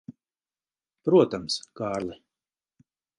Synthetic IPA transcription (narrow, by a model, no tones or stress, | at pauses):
pɾuɔt̪amskaːɾlˠɛ